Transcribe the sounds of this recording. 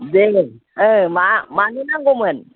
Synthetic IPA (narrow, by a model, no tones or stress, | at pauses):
d͡ze | əmamaninaɡomən